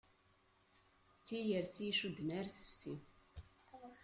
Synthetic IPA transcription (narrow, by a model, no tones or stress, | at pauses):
θijəɾsiʃud̪næɾθə̥fsi